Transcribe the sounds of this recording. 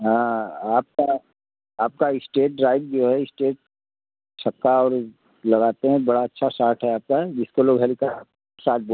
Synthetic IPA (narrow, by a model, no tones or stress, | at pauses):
ɦãːaːp̚ka | aːp̚kaɪsʈeːʈɾaːɪʈ̚d͡ʒoːɦɛɪsʈeːʈ̚ | sʰɐkːaɔːɾ | lɐɡaːt̪eɦɛ̃bɐɽaɐtːʃʰasaːɾʈɦɛaːp̚kad͡ʒɪskoloːɡɦɛlika | saːʈ̪̚ʰbo